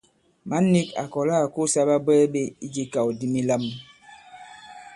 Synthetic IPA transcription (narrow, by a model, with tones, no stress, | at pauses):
ma˦nːi˦ka̰˨kɔ˨la˦˨ku˦sa˦ba˦bɛː˦ɓe˦i˦d͡ʒi˦ka˨wdi˦mi˦la˦m